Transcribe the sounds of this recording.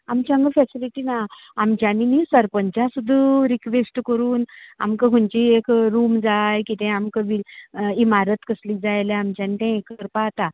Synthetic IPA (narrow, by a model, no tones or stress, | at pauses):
amt͡ɕəŋɡəfɛsiliʈinaamt͡ɕjaninisəɾpəɲt͡ɕjasud̪ʱːəɾikʋesʈkəɾuːna̰mkəɦuɲt͡ɕiekɾumd͡zajkit̪ɛ̃amkəʋiimaɾət̪kəsliːd͡zajleamt͡ɕjanit̪ɛ̃kəɾpaːt̪a